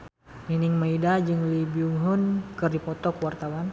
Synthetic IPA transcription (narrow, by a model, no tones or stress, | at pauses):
ninɪŋmaidad͡ʒɨŋlibiuŋɦʊnkɨrdipɔt̪ɔkwart̪awan